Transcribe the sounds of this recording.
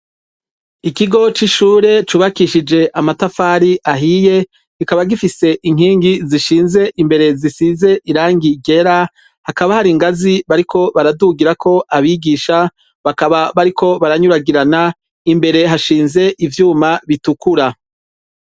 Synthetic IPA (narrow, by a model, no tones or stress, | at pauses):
ikiɡo̞t͡ʃiʃuːɾe̞t͡ʃuːβakiʃid͡ʒe̞ʔamatafaːɾiʔaɦije̞ | kikaβaɡifise̞ʔiŋ̥ɦiːŋɡiziʃiːnze̞ʔimbe̞ɾe̞zisize̞ʔiɾaːŋɡiɡe̞ɾa | hakaβahaɾiŋɡaziβaɾikʰo̞βaɾaduɡiɾakʰo̞ʔaβiɡiːʃa | βakaβaβaɾikʰo̞βaɾaɲuɾaɡiɾana | imbe̞ɾe̞ɦaʃiːnze̞ʔivjuːmaβitukuɾa